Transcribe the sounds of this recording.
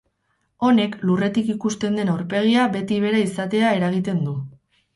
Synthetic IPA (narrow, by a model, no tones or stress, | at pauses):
o̞ne̞klure̞t̪ikikust̪e̞nd̪e̞nawɾpe̞ɣ̞iaβe̞t̪iβ̞e̞ɾaisat̪e̞ae̞ɾaɣ̞it̪e̞nd̪u